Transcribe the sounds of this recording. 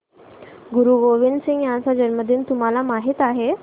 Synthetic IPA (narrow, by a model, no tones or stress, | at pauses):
ɡuɾuːɡoʋinsĩŋɡjãnsad͡ʑənməd̪ʱiːnt̪um̤alamaɦiːt̪aɦe